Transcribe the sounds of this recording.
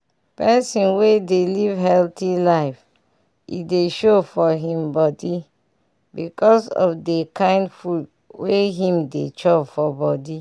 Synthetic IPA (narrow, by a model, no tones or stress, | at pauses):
pɛsĩnwedelivɦɛltilaɪf | ḭdeʃofɔɦĩmbɔdi | bikɔsɔ̰fdekʰãɪ̃ndfut | weɦĩmdet͡ʃɔbfɔbɔdi